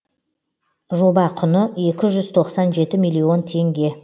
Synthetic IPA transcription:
ʒo̞bɑqʰʊnəe̞kʲɪʒʏzt̪ʰo̞qsɑnʒe̞t̪ɪmijlʲːio̞nt̪ʰe̞ŋɡʲe̞

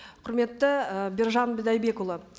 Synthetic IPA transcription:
qʰʊɾme̞t̪ːɪəbʲɪɾʒɑnbɪd̪ɑjbe̞kulˠə

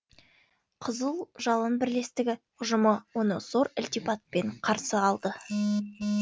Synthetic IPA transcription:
qʰəzəlˠʒɑlˠənbɪɾle̞st̪ɪɡʲɪ | ʊʒʊməwo̞nəso̞ɾɪlt̪ijpɑt̪̚pe̞ɴqʰɑɾsəɑlˠd̪ə

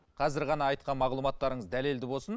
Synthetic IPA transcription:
qʰɑzɪɾʁɑnɑːjt̪̚qɑnmɑʁlˠumɑt̪ːɑɾəɴəzd̪æle̞ld̪ɪbo̞lˠsən

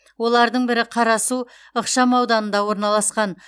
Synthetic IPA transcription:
wo̞lˠɑɾd̪əɴbɪɾɪqʰɑɾɑsu | əqʃɑmɑwd̪ɑnənd̪ɑwo̞ɾnɑlˠɑsqɑn

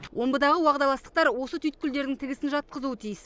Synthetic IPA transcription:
wʔo̞mbəd̪ɑʁəwɑʁd̪ɑlˠɑst̪ə̥q̚t̪ɑɾwo̞sət̪ʰyjt̪̚kʲʰʏld̪e̞ɾd̪ɪŋt̪ʰɪɡʲɪsɪnʒɑt̪̚qəzuət̪ʰijɪs

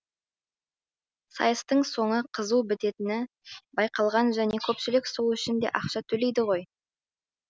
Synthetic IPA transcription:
sɑ̰jəst̪əɴso̞ɴəqʰəzuwbɪt̪e̞t̪ɪnɪ | bɑjqɑlˠʁɑnʒæne̞kʲʰɵpʃɪlɪksolˠɪʃɪnd̪e̞̰ʔɑqʃɑt̪ʰɵle̞jd̪ɪʁo̞j

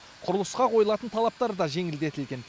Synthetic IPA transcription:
qʰʊɾəlˠəsqɑqʰo̞jlˠɑt̪ənt̪ʰɑlˠɑp̚t̪ɑɾd̪ɑʒe̞ŋɪld̪e̞t̪ɪlɡʲe̞n

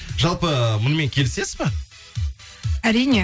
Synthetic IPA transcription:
ʒɑlˠpəmʊnəme̞ŋkʲʰe̞lɪse̞sɪzbe | æɾijne

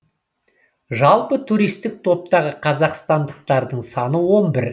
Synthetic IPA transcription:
ʒɑlˠpət̪ʰuɾijst̪ɪk̚t̪ʰo̞p̚t̪ɑʁəqʰɑzɑqst̪ɑnd̪əq̚t̪ɑɾd̪əɴsɑnəwo̞nbɪɾ

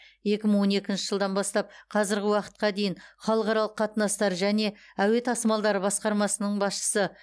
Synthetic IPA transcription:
je̞kʲɪməɴwo̞ne̞kʲɪnʃɪʒəlˠd̪ɑnbɑst̪ɑp̚qʰɑzɪɾɡʲɪwɑqə̥t̪̚qɑd̪e̞jɪɴχɑlˠəqɑɾɑlˠəqːʰɑt̪ənɑst̪ɑɾʒæne̞æwe̞t̪ʰɑsmɑlˠd̪ɑɾəbɑsqɑɾmɑsənəɴbɑsʃə̥sə

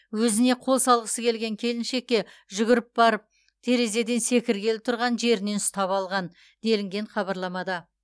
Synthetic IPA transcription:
wɵzɪne̞qʰo̞lˠsɑlˠʁəsəkʲʰe̞lɡʲe̞ŋkʲʰe̞lɪnʃe̞k̚ʲːe̞ | ʒʏɡʲɪɾɪɪp̚bɑɾəp̚ | t̪ʰe̞ɾe̞ze̞d̪e̞nse̞kʲɪɾkʲe̞lɪp̚t̪ʰʊɾʁɑnʒe̞ɾɪnensʊ̥t̪ɑpɑlˠʁɑn | d̪e̞lɪŋɡʲe̞ɴχɑbɑɾlˠɑmɑd̪ɑ

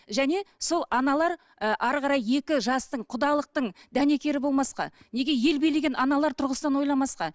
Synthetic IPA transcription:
ʒæne̞so̞lˠɑnɑlˠɑɾ | əʔɑɾʁɑɾɑje̞kʲɪʒɑst̪əɴqʰʊd̪ɑlˠəq̚t̪əɴd̪æne̞kʲe̞ɾɪbo̞lˠmɑsqɑ̰ne̞ɡʲe̞je̞lbe̞jle̞ɡʲenʔɑnɑlˠɑɾt̪ʰʊɾʁəst̪ɑnwo̞jlˠɑmɑsqɑ

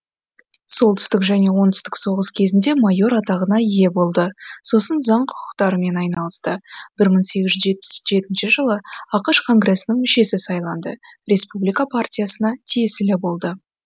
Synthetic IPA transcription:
so̞lˠt̪ʰʏ̥st̪ɪkʒæne̞wo̞nt̪ʏ̥st̪ɪkso̞ʁəskʲʰe̞zɪnd̪e̞mɑjo̞ɾɑt̪ɑʁənɑije̞bo̞lˠd̪əso̞sənzɑɴqʰʊ̥qʰʊ̥qt̪ɑɾəme̞nɑjnɑlˠəst̪əb̥ɪɾməɴse̞ɡʲɪzʒʏʒe̞t̪̚pɪsʒe̞t̪ɪnʃɪʒəlˠəɑqəʃkʰo̞ŋɡre̞sənəŋmɪʃe̞sɪsɑjlˠɑnd̪ə̰ɾʲe̞spublijkapʰartʲijasənɑt̪ʰijesɪlɪbo̞lˠd̪ə

